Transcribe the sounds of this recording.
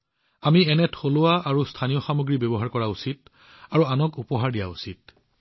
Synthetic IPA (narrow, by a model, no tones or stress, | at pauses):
amiɛnɛtʰolʊaaɹustʰanijɔxamuɡɹibɔbɔɦaɹkɔɹausit̚ | aɹuanɔkupɔɦaɹdija̰usit̚